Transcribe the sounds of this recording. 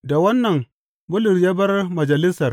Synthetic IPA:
da˨wa˦nːa˨n | bu˦lu˨ɾja˦ba˦ɾma˨d͡ʒa˨li˦sa˨ɾ

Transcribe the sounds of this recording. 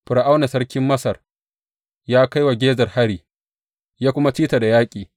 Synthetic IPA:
ɸɪ˨ɾa˨ʔa˦wna˨sɐ˦rkʲɪ˦mːɐ˦sɐ˨r | jaː˦ka˦jwa˨ɡʲeː˦zɐ˨rha˦ɽiː˨ | jaː˦kʷʊ˦ma˦t͡ʃiː˦ta˨da˨jaː˦kʲʼiː˨

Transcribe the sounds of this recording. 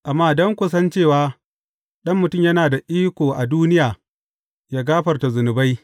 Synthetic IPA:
ʔa˨mːaː˦˨dɔ˦ŋkʷʊ˨sɐ˦nt͡ʃeː˦˨waː˦ | ɗɐ˦mːʊ˨tʊ˦˨mjɐ˦naː˨da˨ʔiː˦kʷoː˨ʔa˨duː˦nɪ˦jaː˨ | jaː˦ɡaː˦ɸɐ˨rta˨zʊ˨nʊ˨ba˦j

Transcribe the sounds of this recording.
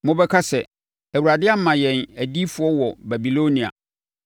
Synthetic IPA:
mʊ̃˦bɛ˦kʰa˦sɛ˨ | æ˨wu˨ɾa˨dɪ˦a˦m̩˦mã˨jɛ̃˨næ˨di˦fʊ˨˦ɔ˦wɔ˨bæ˨bi˨lo˦nĩ˨a̰˨

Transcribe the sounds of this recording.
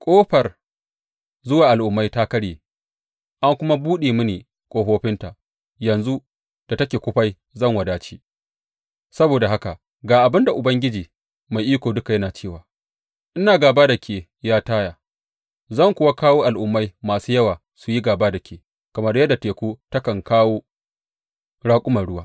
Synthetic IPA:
kʷʼoː˦ɸɐ˨r | zʊ˦waː˨ʔa˨lʔʊ˨mːa˦jta˦kɐ˦ɽje˨ | ʔa˦ŋkʷʊ˦ma˦buː˦ɗeː˨mɪ˦niː˨ | kʷʼoː˨ɸoː˦ɸɪ˦nta˨ʔ | jɐ˨nzu˦ | d̥a˨tɐ˦kʲeː˨kʷʊ˦ɸa˦j | zɐ˦˨ŋwɐ˨daː˦t͡ʃiː˦ | sɐ˦boː˨da˨ɦa˦ka˨ʔ | ɡaː˨ʔa˨bɪ˦nda˨ʔʊ˨bɐ˦ŋɡʲɪ˦d͡ʒiː˨ | ma˨jʔiː˦kʷoː˨dʊ˦ka˨jɐ˦naː˨t͡ʃeː˦˨waː˨ | ʔɪ˦naː˨ɡaː˨baː˦da˨kʲʰeː˨ | jaː˦taː˦jaː˨ | zɐ˦˨ŋkʷʊ˦wa˦kaː˦woː˦ʔa˨lʔʊ˨mːa˦jmaː˨suː˦jɐ˦waː˨ | su˨ji˦ɡaː˨baː˦da˨kʲeː˨ | kɐ˨mɐ˦rjɐ˦dːa˨teː˨kʷoː˦tɐ˦kɐ˨ŋkaː˦woː˦ | ɽaː˦kʷʼʊ˦mɐ˨rɽʊ˦waː˦

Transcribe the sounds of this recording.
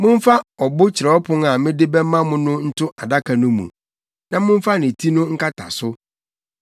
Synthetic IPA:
mʊ̃˦m˦fa˦ɔ˨bʊ˦t͡ɕʰɪ˨ɾɛ˨ɔ˦pʰʊ̃˦ŋa˨mɪ̃˦dɪ˦bɛ˦mã˦mʊ̃˦nʊ̃˦n̩˦tʰʊ˦a˨da˦kʰa˨nʊ̃˦mṵ̃˨ | nã˦mʊ̃˦m˦fa˦nɪ̃˨tʰi˦nʊ̃˦ŋ̩˦ka˦tʰa̰˨sʊ˦

